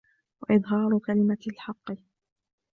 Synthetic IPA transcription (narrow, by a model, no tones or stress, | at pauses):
wa̰ʔɪd̪ˤɦɑːɾˤʊkalɪmalħɑqːɨ